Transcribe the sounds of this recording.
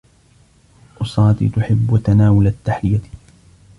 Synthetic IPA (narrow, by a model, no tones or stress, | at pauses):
ʔʊsˤɑːt̪ḭːt̪ʊħɪbːwat̪anaːwalat̪ːaħlɪja